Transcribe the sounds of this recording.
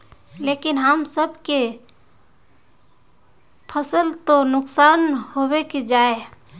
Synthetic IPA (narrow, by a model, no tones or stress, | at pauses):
lekinɦəmsəbʱke | pʰəsəlt̪onʊksanɦobeked͡ʒae